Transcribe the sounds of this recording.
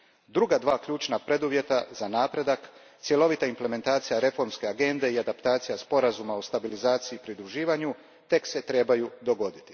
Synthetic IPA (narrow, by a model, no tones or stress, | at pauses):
d̪ɾuɡad̪ʋaːkʎuːt͡ʃnapɾe̞d̪uʋje̞t̪azanaːpɾe̞d̪ak | t̪sje̞lo̞ʋit̪aimple̞me̞nt̪aːt̪sijaɾe̞fo̞ɾmske̞aɡe̞nd̪e̞iad̪apt̪aːt̪sijaspo̞ɾazumaost̪abilizaːt̪siiːpɾid̪ɾuʒiːʋaɲu | t̪e̞kse̞t̪ɾe̞ːbajud̪o̞ɡo̞d̪it̪i̥